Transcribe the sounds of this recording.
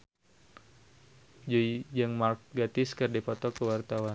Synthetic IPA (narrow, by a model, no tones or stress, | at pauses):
d͡ʒoid͡ʒəŋmark̚ɡat̪ɪskərdipɔt̪ɔkəwart̪awan